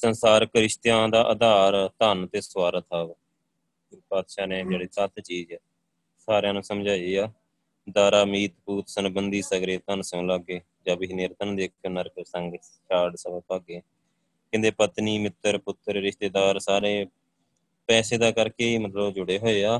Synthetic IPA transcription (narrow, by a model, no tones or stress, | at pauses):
sənsaːɾkɾɪʃt̪jãːd̪aːʔəd̪aːɾt̪ənt̪eːswaːɾət̪ʰaːb | paːd̪ʃaːneːd͡ʒeːɽeːt͡ʃat̪t͡ʃiːd͡ʒɛː | saːɾjãːnũːsəmd͡ʒaːiːaː | d̪aːɾaːmiːt̪puːt̪sənbənd̪iːsəɡɾeːt̪ənsõːlaɡeː | d͡ʒãːbɪinɪɾt̪ənd̪eːkʰjoːnəɾksəŋɡ | t͡ʃaːɖsəbəpəɡeː | kɪ̃nd̪eːpət̪niːmɪt̪ːəɾpʊt̪ːəɾɾɪʃt̪eːd̪aːɾsaːɾeː | pɛːseːd̪aːkəɾkeːiːmət̪ləbd͡ʒʊɽeːɦoːeːaː